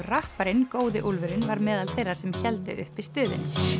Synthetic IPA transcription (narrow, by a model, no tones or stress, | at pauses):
rahpaɾɪnkoːwðɪʔulvʏɾɪnvaɾmɛːðalθejrːaɾ̥sɛmçɛlt̪ɪ̰ʔʏ̰hpist̪ʏːðɪ̰n